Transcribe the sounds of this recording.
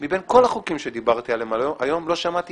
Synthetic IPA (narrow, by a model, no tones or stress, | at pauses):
mibenko̞laχukimʃed̪ibaʁt̪ialemaʔajo̞mlo̞ʃamat̪i